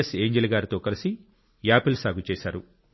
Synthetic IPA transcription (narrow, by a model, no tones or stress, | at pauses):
ese̞ːɲd͡ʒelɡaːɾit̪o̞ːkɐlisi | jaːpilsaːɡut͡ʃɛːsaːɾu